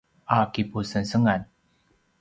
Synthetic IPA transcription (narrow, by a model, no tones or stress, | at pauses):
ʔakipusənsəŋan